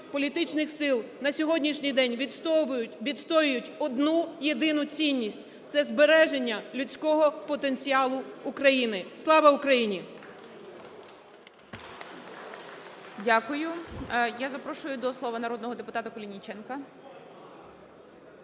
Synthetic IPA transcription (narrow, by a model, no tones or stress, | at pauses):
pɔlʲit̪ɪt͡ʃnɪxsɪlˠnɐsʲɔɦɔdʲnʲiʃnʲɨjd̪ɛnʲ | ʋʲid̪st̪ɔjʊjʊtʲɔd̪nujed̪ɪnʊt͡sʲinʲːisʲtʲ | t̪sɛzbeɾɛʒenʲːɐlʲʊt͡sʲkɔɦɔpɔt̪e̞nʲt͡sʲiɑlˠʊːkɾɐjinɪslˠɑʋɐʊkɾɐjinʲi | dʲakʊjʊjazɐpɾɔʃʊjʊd̪ɔslˠɔʋɐnɐɾɔd̪nɔɦɔd̪epʊt̪ɑt̪ɐkɔlʲinʲit͡ʃɛnkɐ